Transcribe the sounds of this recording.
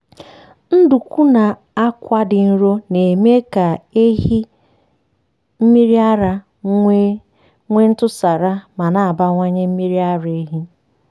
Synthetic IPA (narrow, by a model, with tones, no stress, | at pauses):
n̩˦du˨kʷu˦na˨ | a˦kʷa˦dɪ˨n̩˦ɾo˦ne˨me˦ka˨e˦ɦi˦ | m̩˦mi˦ɾi˦a˦ɾa˦ | ŋʷe˦n̩˦tʊ˦sa˨ɾa˦ma˨na˨a˨ba˦ŋʷa˦ɲe˦m̩˦mi˦ɾi˦a˦ɾe˦ɦi˦